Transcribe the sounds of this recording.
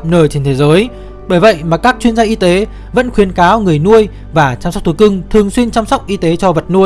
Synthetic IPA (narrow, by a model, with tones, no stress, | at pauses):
nəː˨˩jt͡ɕe˧nt̪ʰe˨˦zəː˨˦j | ɓəː˧˩jvə̰˧˨jmaː˨˩kaː˦˥k̚t͡ɕwi˧ənzaː˧ʔi˧t̪e˨˦ | və̰˧˥nxwi˨˦ənkaː˨˦wŋɨ˨˩əjnu˧əj | vaː˨˩t͡ɕaː˧msk͡p̚t̪ʰu˧˩kɨ˧ŋt̪ʰɨ˨˩əŋswi˧ənt͡ɕaː˧msa˦˥wk͡p̚ʔi˧t̪e˨˦t͡ɕɔ˧və˨˩t̚nu˧əj